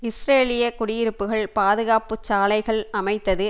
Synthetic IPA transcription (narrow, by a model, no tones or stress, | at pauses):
ɪsreːlɪjɐkʊɽɪjɪɾɯpːɯɣɐɭpaːðɯɣaːpɯt͡ʃːaːlɐɪɣɐɭɐmɐɪt̪ːɐðɯ